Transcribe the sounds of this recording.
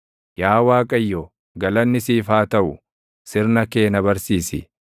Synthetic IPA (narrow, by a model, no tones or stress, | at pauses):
jaːwaːkʼɐjːɔ | ɡɐlɐnːɪsiːfaːt̪ɐʔʊ | sɪɾnɐke̞ːnɐbɐɾsiːsɪ̰